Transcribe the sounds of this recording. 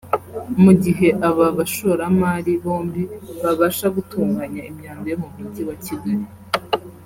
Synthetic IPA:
muɟiɦe̞ʔaβaβaʃo̞ɾamaːɾiβo̞ːmbiβaβaːʃaɡutuːŋɡaɲaimɲaːmbeɦomitiβaciɡaɾi

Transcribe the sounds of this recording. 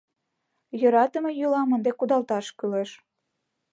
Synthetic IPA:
jøɾɑt̪əmejølɑmənd̪ekud̪ɑlt̪ɑʃkyleʃ

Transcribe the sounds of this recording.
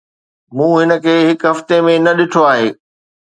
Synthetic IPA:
mũːɦɪnə̆kʰeːɦɪkɦɐft̪emẽnɐɗɪʈʰoaːɦeː

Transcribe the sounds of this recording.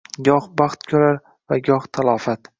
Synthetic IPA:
ɡʲɒhbɑχt̪kʲʰɵɾaɾ | vaɡʲɒχt̪ʰalˠɒːfat̪

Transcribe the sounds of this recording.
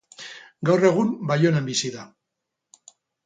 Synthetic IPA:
ɡawre̞ɣ̞umbajo̞nembisiða

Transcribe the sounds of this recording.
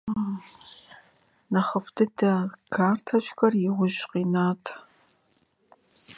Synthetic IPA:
nɐχəftʰɨdʰɐkʰaːrtʰɐʃʷʼxɐrjɪwʊʒqiːnaːtʰ

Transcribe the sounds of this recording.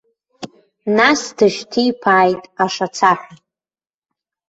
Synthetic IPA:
nasdɨʃtʰijpʰaːjtʼaʂat͡sʰaħʷᶣa

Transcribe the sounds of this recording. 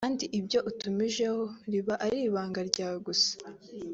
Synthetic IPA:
kaːndiʔibjo̞ʔutumiʒe̞hoɾiβaʔaɾiːβaːŋɡaɾɟaːwɡusḁ

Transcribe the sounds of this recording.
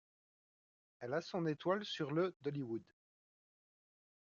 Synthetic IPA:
ɛlasɔ̃net̪walsyʁləd̪ɔliwud̪

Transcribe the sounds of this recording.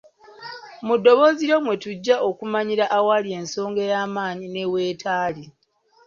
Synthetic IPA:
mudːo̞βo̞ːziɾomwe̞tuɟːaʔokumaɲiɾaʔawalie̞ːnso̞ːŋɡe̞jaːmaːɲine̞we̞ːtaːli

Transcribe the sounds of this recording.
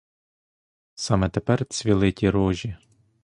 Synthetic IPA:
sɑmɛt̪epɛrt͡sʲʋʲilˠɪtʲiɾɔʒʲi

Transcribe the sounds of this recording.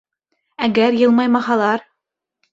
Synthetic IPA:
æɡæɾjɤ̆lˠmɑjmɑhɑlˠɑɾ

